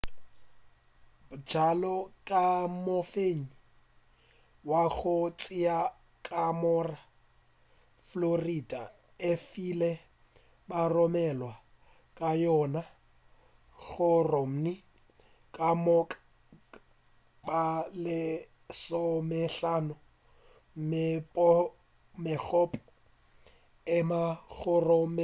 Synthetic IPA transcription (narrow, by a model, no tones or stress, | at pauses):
bʊd͡ʒalɔkʼamofeɲi | waɣʊt͡sʼɪa | kʼamɔra | florida | efilɛ | barɔmɛlwa | kʼajɔna | k͡xʊrɔm̩ni | kʼamɔkʼ | balɪ | sɔmɛɬanɔ | mɪpʼɔ | mɪk͡xʰɔpʼɔ | ɪmaɣɔrɔm